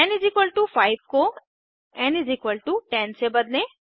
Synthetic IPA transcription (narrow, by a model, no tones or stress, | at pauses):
ɛ̃nɪzikʋəlʈufaɪʋko | ɛ̃nɪzikʋəlʈuʈɛ̃nsebəd̪lẽ